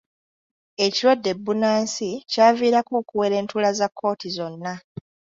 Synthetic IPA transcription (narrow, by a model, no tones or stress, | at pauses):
e̞ciɾwadːe̞bːunaːnsicaːviːɾakoːkuwe̞ɾe̞ːntulazakʰːo̞ːtizo̞nːa